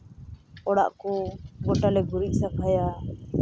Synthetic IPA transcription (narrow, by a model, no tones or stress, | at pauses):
ɔɽa̰ʔkɔɡɔʈalɛɡuɾiʔsakʰaja